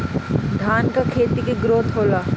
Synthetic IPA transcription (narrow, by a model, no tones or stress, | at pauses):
d̪ʱaːnkakʰeːt̪ikeɡɾoːt̪ɦoːlaː